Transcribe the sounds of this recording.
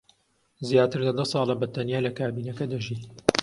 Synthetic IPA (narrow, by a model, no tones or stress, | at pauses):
zjaːt̪ɨɾlɐd̪ɐsˤɑːlɐbɐt̪ɐnjaːlɐkʰaːbiːnɐkɐd̪ɐʒiːt̪